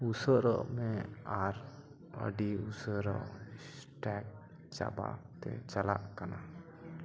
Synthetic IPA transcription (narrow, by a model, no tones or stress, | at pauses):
usəɾəʔmɛaɾ | ə̰ɖiusəɾəʔsʈɛk̚ | t͡ʃa̰ba̰t̪ɛ̰t͡ʃalaʔkana